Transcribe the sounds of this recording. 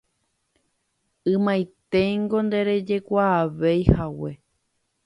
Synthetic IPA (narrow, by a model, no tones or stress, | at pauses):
ɨ̃mãjt̪e̞ŋɡo̞nd̪e̞ɾe̞d͡ʒe̞kʷaːʋejhawe̞